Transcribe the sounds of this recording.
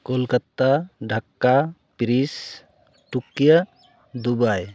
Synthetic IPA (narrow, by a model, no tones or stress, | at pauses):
kolkat̪aɖʱakːapɾis | ʈukija | d̪ubaj